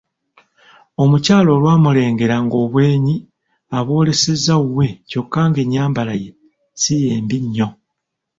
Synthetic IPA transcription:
o̞mucaːlo̞ːlwaːmule̞ːŋɡe̞ɾaŋɡo̞ːβwe̞ːɲi | aβo̞ːle̞se̞zːauwe̞co̞kːaːŋɡe̞ɲːaːmbalaje̞ | sijeːmbiɲːo̞

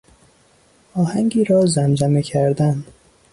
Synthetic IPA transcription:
ɒːhæŋɟiːɾɒːzæmd͡ʒæmecʰæɾd̪æn

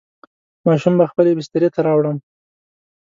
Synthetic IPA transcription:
mɑʃumbaxpəlebɪst̪aɾet̪aɾɑwɽəm

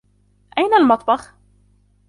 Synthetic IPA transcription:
ʔajnalmɑt̪ˤbɑx

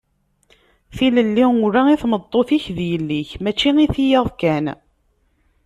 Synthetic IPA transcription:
θiləlːiʊɾaiθmət̪ˤːoθiçðjəlːiçmæt͡ʃːiŋiθijɑðˤkæn

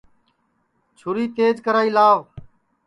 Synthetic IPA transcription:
t͡ʃʰʊɾiːt̪eːd͡ʒkəɾaːiːlaːʋ

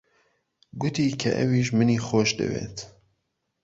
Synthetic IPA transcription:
ɡʊt̪iːkʰɐʔɛ̰wiːʃ̬mɨniːxoːʃd̪ɨ̰wḛːt̪

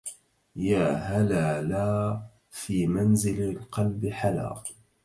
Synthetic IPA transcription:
jaːɦalaːlaː | fiːmanzɪlalqɑlbɪħala̰ːq

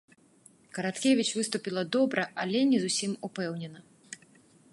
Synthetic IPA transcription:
kɐɾat̪kʲevʲit͡ʃvɨst̪upʲilˠɐd̪ɔbɾɐʔalʲɛnʲɛzusʲimupɛwnʲɛnɐ

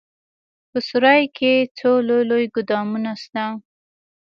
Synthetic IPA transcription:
pəsʊɾɑjkʰet͡solojlojɡʊd̪ɑmunast̪a

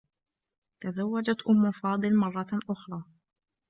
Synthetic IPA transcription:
t̪azawːad͡ʒat̪ʔʊmːʊfɑːd̪ˤɨlmɑrˤːɑʔʊxɾˤɑː

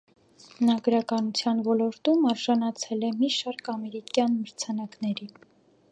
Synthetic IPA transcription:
ənɑɡɾɑkɑnut͡sʰjɑnvɔlɔɾt̪umɑɾʒɑnɑt͡sʰɛlɛmiʃɑɾkʰɑmɛɾikjɑnməɾt͡sʰɑnɑknɛɾi

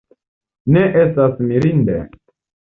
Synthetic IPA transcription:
ne̞ʔestasmiɾindḛ

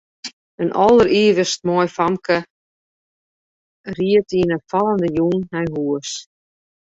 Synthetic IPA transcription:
ənʔɔlˠəriːʋəst̚mɔjfamkə | riətinəfalˠəndəjunhɛjɦuəs

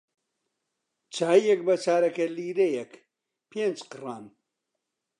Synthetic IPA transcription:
t͡ʃʰaːijɛk̚bɐt͡ʃʰaːɾɐkɐliːɾejɛk | pʰeːnd͡ʒqɨraːn

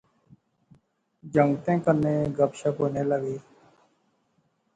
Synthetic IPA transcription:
d͡ʒəŋɡt̪ẽːkəɾneːɡəbʃakoːneːləɡiː

